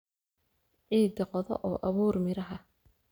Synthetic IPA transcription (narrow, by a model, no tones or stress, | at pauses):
ʕiːd̪ɐqɔðɔ̰ʔɔːʔɐβuːrmɪɾɐɦɐ